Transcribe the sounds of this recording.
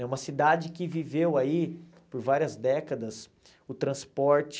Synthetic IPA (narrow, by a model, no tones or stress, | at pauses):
ɛũmɐsid̪ad͡ʒɪkɪvivewai | poɾvaɾiɐzd̪ɛkɐd̪ɐs | ʊt̪ɾɐ̃spɔɾt͡ʃɪ̥